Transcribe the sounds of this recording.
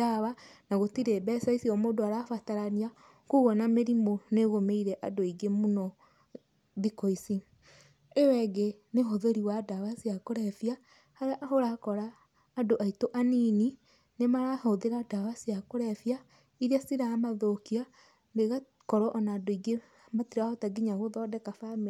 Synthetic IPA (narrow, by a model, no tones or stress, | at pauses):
daβanaɣotiɾebɛsaisiɔmoːndoaɾafataɾania | kuɣɔnameɾimoneɣomeiɾɛʔadoiɡemunɔ | ðikoisi | ewɛɡeneɦoðeɾiwadaβasiakoɾɛfia | haɾeaʔaɦoɾakɔɾaː | doʔaitoʔanini | nemaɾahoðeɾadaβasiakoɾɛfja | iɾiasiɾamaðokia | mbeɣa | kɔɾɔʔɔnaːdoiɡe | matiɾahɔtaɡiɲaɣoðɔdɛkafame